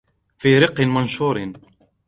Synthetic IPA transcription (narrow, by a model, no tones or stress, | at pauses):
fiːɾɪqːnmanʃuːɾ